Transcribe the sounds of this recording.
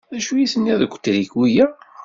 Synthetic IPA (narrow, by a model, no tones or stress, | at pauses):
æʃujiθənːiðɡʷːt̪ːɾiɡwijæ